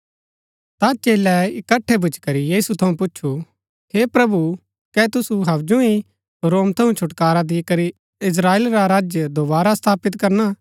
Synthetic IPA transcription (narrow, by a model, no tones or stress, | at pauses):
t̪at͡ʃeːlɛɪkɐʈʰːebʱʊt͡ʃkɐɾijiːsut̪ʰɐũpʊtːʃʰu | hepɾɐbu | kɛt̪ʊsuɦɐbd͡ʒũi | ɾoːmt̪ʰɐũt͡ʃʰʊʈkaːɾad̪ɪkɐɾi | ɪs̬ɾaːeːlɾaɾaːd͡ʒjəd̪obaːɾast̪ʰaːpɪt̪kɐɾna